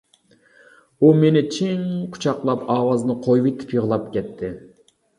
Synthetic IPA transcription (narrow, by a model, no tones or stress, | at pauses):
umenɪt͡ʃʰiŋqʰʊ̥t͡ʃʰɑqlˠɑpɑːwɑzɨnɨqʰojwɪt̪ʰɪ̥pjəʁlˠɑpkʲʰɛt̪ʰːɪ